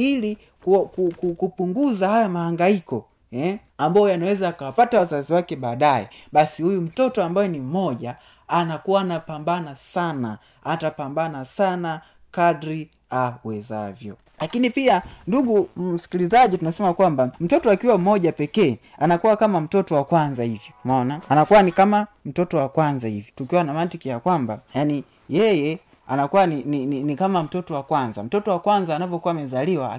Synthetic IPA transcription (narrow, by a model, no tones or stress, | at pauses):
ili | kukukukupuŋɡuzahajamahaŋɡaikɔ | ɛ | ambaɔjanawɛzaakawapatawazaziwakɛɓaːɗajɛ̰ɓasihujum̩tɔtɔambajɛnim̩mɔʄaː | nakuwaːnapambanasana̰ | atapambanasana | kadɾi | awɛza̰vjɔ̰ | lakinipianduɡum̩si̥kilizaɟitunasɛmakwambam̩tɔtɔakiwam̩mɔʄapɛkɛːanakuwakamam̩tɔtɔwakwanzahivjɔmɔnaːnakuwanikamam̩tɔtɔwakwanzahivjɔtukiwanamatikijakwamba̰jani | jɛjɛ | anakuwaninininikamam̩tɔtɔwakwanza̰m̩tɔtɔwakwanzaːnavjɔkuwamɛzaliwa̰